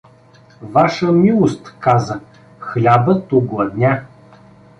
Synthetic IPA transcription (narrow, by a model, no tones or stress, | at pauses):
vaʃəmʲilˠost̪kazə | xlʲabət̪ʊɡlˠɐd̪nʲa